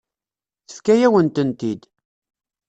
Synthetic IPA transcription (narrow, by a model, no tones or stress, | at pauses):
θə̥fkæjæwənt̪ənt̪id̪